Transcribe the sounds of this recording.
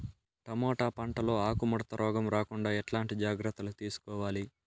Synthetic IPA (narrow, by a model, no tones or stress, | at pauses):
ʈɐmɔːʈaːpɐɳʈɐlo̞ːaːkumɔɽɐt̪ɐɾʔɔːɡɐmɾaːkuɳɖaːɛʈlaːɳʈid͡ʒaːɡɾɐt̪ːɐlut̪iːsu̥kɔːʋaːli